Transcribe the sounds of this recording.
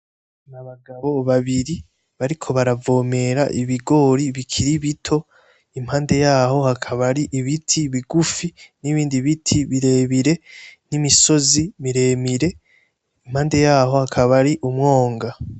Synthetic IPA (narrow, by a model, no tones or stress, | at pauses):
naβaɡaβo̞βaβiɾi | βaɾikʰo̞βaɾavo̞ːme̞ɾaʔiβiɡo̞ːɾiβikʰiɾiβitʰo̞ | im̥haːnde̞jaːho̞hakʰaβaɾiʔiβitʰiβiɡufiniβiːndiβitʰiβiɾe̞ːβiɾe̞nimiso̞zimiɾe̞ːmiɾe̞ | im̥haːnde̞jaːɦo̞hakʰaβaɾiʔumŋo̞ːŋɡa